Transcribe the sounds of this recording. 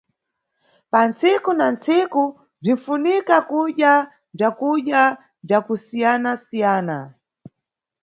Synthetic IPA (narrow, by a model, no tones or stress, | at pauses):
pant͡sikunant͡siku | b͡ʐin̩funikakuɗja | b͡ʐakuɗja | b͡ʐakusijanasijaːna